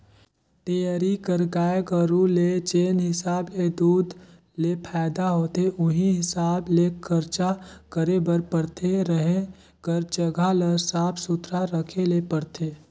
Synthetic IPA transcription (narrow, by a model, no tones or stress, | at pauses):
t̪ijaɾikəɾɡaːeɡəɾũlet͡ʃeːnɦɪsaːbled̪uːd̪ | lepʰɛːd̪aɦoːt̪eʔʊɦiɦɪsaːblekʰəɾt͡ʃakəɾebəɾpəɽt̪ʰeɾəɦẽ | kəɾd͡ʒəɡʱalesaːpʰsʊt̪ɾaɾəkʰelepəɽt̪ʰeː